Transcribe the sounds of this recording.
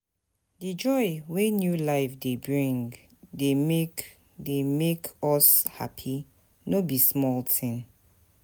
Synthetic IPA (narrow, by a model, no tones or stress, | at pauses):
did͡ʒɔɪwenjulaɪfdebɹĩŋ | demek | demekɔsha̰pʰi | nobismɔltʰĩn